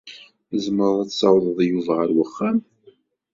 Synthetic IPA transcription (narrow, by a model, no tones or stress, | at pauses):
əzməɾˤæt͡sːsɑwðˤəðˤjuvʁəɾwəχːæm